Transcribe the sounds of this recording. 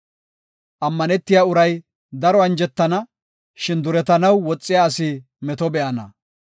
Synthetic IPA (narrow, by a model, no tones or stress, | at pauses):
ʔɐmːɐnɛt̪ːɪjaːʊɾɐj | d̪ɐɾɔɐnd͡ʒɛt̪ːɐnɐ | ʃɪnd̪ʊɾɛt̪ɐnɐwːɔt͡sʼːɪjaːsɪ | mɛt̪ɔbɛʔɐnɐ̰